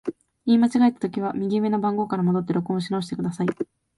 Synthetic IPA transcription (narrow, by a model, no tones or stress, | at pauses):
iːmat͡ɕiɡaet̪ːḁt̪o̞kʲiβ̞amʲiɡʲime̞nobãŋɡo̞ːkaɾamo̞d̪o̞t̪ːe̞ɾo̞kɯõɕ̬inooɕi̥t̪e̞kɯ̟d̪asai